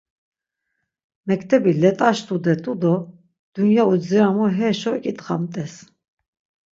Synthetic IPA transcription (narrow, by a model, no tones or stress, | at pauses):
mɛkt̪ʰɛbilɛt̪ʼaʃt̪ʰʼud̪ɛt̪ʼud̪ɔ | d̪̥unjauziɾamɔɦɛːʃɔkʼit̪ʼχamt̪ʼɛs